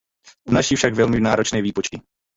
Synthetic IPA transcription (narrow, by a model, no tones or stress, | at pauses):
unaʃifʃaɡvɛlmɪnaːɾot͡ʃnɛːviːpot͡ʃtɪ